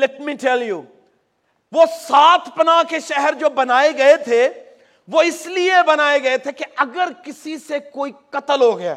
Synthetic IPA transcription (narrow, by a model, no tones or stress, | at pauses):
lɛʈmiʈʰɛljuː | ʋosaːt̪ʰpɐnakeʃɛɦɛɾd͡ʒoːbɐnaːeɡɐet̪ʰe | ʋoɪsliebɐnaːeɡɐet̪ʰekeʔɐɡəɾkɪsisekoːikɐt̪əlɦoɡɐja̰ː